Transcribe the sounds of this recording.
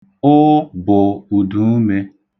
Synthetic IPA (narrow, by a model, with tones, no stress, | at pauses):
ʊ˦bʊ˨u˨du˨˦me˦